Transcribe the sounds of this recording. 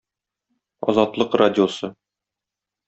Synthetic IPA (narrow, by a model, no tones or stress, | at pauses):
ɒ̰zɑt̪lˠɤqradʲɪosɤ